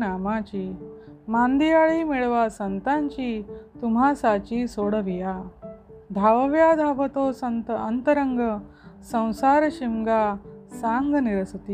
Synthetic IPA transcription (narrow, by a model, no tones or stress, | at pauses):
naːmaːt͡ɕiːmaːnd̪ijaːɭiːmiɭʋaːsɐnt̪aɲt͡ʃiːt̪um̤aːsaːt͡ɕiːsoːɽɐʋijaː | d̪ʱaːʋɐʋjaːd̪ʱaːʋɐt̪oːsɐnt̪ːnt̪əɾɐŋɡə | sɐ̃w̃saːɾɐɕimɡaːsaːŋɡniɾɐsɐt̪iː